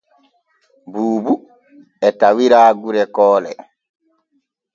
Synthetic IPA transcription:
buːbu | ɛtawiɾaːɡuɾɛkɔːlɛ̰

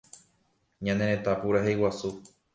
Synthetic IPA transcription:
ɲãnẽɾẽt̪apuɾaɦejwasu

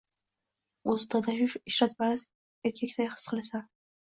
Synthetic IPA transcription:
ozd̪ʰad̪ʰaʃʊʃɪʃɾat̪baɾaz | eɾkʲʰekʲt̪ʰajχɨ̥sqʰɨlˠasa

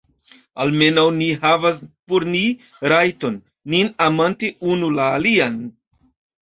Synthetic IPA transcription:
alme̞nawniɦavas̬poɾni | ɾajto̞nː | inamanteʔunulaːlian

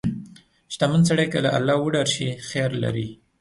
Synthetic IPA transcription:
ʃt̪amənsaɽajkalaʔa̰lːɑwəɖaɾʃixeɑɾla̰ɾi

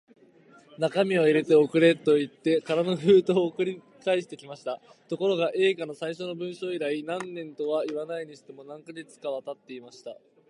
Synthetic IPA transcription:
nakamʲioiɾe̞t̪e̞o̞kɯ̟ɾe̞t̪ːo̞it̪ːe̞kaɾanoɸɯ̟ːt̪o̞ːkɯ̟ɾʲi | kaiɕi̥t̪e̞kʲimaɕi̥t̪a | t̪o̞ko̞ɾo̞ɡaʔe̞ːɡano̞saiɕo̞no̞bɯ̟̃ɰ̃ɕo̞ːiɾainãnːẽ̞nt̪o̞βaiβanaiɲ̟iɕi̥t̪e̞mo̞nãŋkaɡe̞t͡sɨ̥kaβ̞at̪at̪ːe̞imaɕi̥t̪a

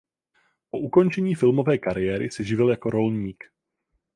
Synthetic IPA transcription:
poʔuko̞nt͡ʃɛɲiːfɪlmo̞vɛːkaɾɪjɛːɾɪsɪʒɪvɪljako̞ɾo̞lɲiːk

